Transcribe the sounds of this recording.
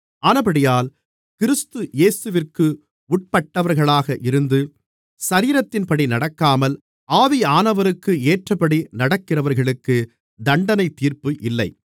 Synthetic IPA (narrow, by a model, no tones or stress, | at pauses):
aːnɐpɐɽɪjaːl | kɪɾɯst̪ɯjeːsɯʋɪrkɯ | ʊʈ̚pɐʈːɐʋɐɾɣɐɭaːɣɐʔɪɾɯnd̪ɯ | sɐɾiːɾɐt̪ːɪnpɐɽinɐɽɐkːaːmɐl | aːʋiaːnɐʋɐɾɯkːɯeːʈrɐpɐɽinɐɽɐkːɪrɐʋɐɾɣɐɭɯkːɯ | d̪ɐɳɖɐnɐɪt̪ːiːɾpɯʔɪlːɐɪ